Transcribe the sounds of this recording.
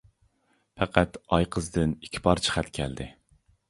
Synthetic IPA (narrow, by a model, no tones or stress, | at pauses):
pʰæqʰæt̪ɑjqʰəzd̪ɨnikʲʰpʰɑɾt͡ʃʰi̥χæt̪kʲʰɛ̰ld̪ɪ